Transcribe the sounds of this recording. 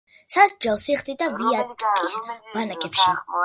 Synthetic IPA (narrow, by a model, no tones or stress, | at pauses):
sasd͡ʒɛlˠsiχt̪ʼid̪aviat̪ʼkʼisb̥anakʼɛpʃi